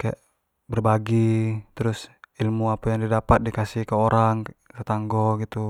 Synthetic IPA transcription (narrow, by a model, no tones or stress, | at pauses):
kajaʔ | bərbaɡit̪ɾʊsilmuapajaŋdidapat̪̚dikasihkaoɾaŋt̪at̪aŋɡɔɡit̪u